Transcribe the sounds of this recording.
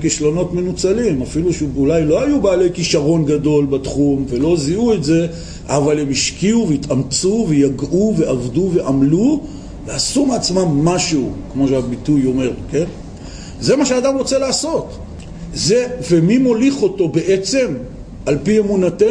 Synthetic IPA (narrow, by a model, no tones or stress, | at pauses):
kiʃlo̞no̞tme̞nut͡salimafiluʃulajlo̞ajubeaːle̞jkiʃaʁo̞nɡado̞lbatχumve̞lo̞ziuetze̞ | ʔavalhemiʃkiuvejitamt͡suvejaɡʔuve̞ʔavduve̞ʔamlu | veasumat͡smamːaʃuukmo̞ʃeabitujo̞me̞ʁke̞n | ze̞maʃeaːdamʁot͡selaːso̞t | zeve̞mimo̞liχo̞to̞be̞ʔet͡se̞m | alpiemunate